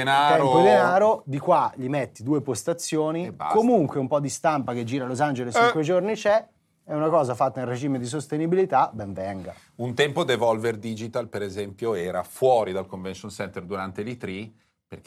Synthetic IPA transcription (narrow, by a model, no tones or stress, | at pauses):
enat̪ɛɾoid̪enaːɾod̪ikwaʎimet̪ːid̪uːepost̪at̪sːjoːnḭkomuŋkweumpɔd̪ist̪ampak̟ed͡ʒːiːɾalozand͡ʒelest͡ʃikwed͡ʒornit͡ʃɛ | ɛunakɔːzafat̪ːailred͡ʒiːmed̪is̬ost̪enibilit̪abɛɱvɛŋɡa̰ | unt̪ɛmpod̪evɔlverd̪id͡ʒit̪alpeɾezɛmpjoɛːɾafwɔːɾid̪alkoɱvɛnʃonsɛnt̪erd̪uɾant̪elit̪ɾi | perk